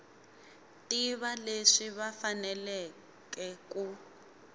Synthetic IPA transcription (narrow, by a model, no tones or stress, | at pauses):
tiβaleʂiβafanɛlɛ | kɛku